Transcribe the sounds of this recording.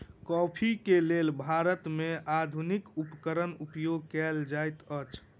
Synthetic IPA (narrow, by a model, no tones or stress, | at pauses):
kɔpʰikelelbʱaɾət̪mead̪ʱunikupkəɾənupjoɡ̚kɛld͡ʒajt̪ət͡ʃʰ